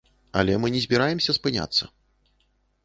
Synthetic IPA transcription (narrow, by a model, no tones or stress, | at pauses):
ɐ̰lʲɛmɨnʲɛzʲbʲiɾajɛmsʲɐspɨnʲa̰t̪sːɐ̰